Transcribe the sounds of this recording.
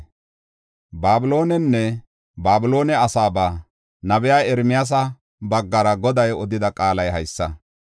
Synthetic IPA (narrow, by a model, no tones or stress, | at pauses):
baːbʊlo̞ːnɛnːɛ | baːbʊlo̞ːnɛɐsaːbaː | nɐbɛjaːɛɾmɪjas̬ɐ | bɐɡːɐɾɐɡɔd̪ɐjɔd̪ɪd̪ɐkʼaːlɐjɦɐjsːɐ